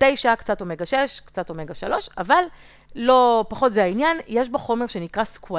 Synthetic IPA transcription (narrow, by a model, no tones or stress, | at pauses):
tejʃaakt͡satomeɡaʃeʃkt͡satomeɡaʃalo̞ʃavalː | o̞paχo̞tzeainjanjeʃboχo̞me̞ʁʃe̞nikʁaskua